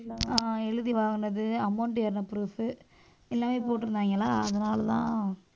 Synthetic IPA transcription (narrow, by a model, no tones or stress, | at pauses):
aːɛɻɯðiʋaːɣɯnɐðɯɐmɐɳʈjɐɾnɐpɾuːfɯ | ɛlːaːmeːpoːʈːɯɾɯnd̪aːŋɡɐlːaːɐðɐnaːlɐt̪ã̰ː